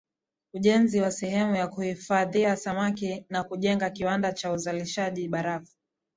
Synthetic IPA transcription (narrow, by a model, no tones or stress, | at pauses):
uʄɛnziwasɛɦɛmujakuhifaðiasamakinakuʄɛŋɡakiwandat͡ʃauzaliʃaʄiɓaɾafu̥